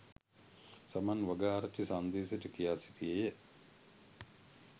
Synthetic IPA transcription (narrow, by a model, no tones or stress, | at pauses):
samanʋɐɡaːɾɐt͡ʃːisand̪eːseʈəkijaːsi̥tijejə